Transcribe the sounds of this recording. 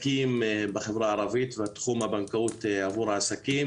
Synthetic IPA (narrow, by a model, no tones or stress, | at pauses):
kimbeχevɾaːɾavit̪veat̪χumabankaut̪eavuɾhaːsakim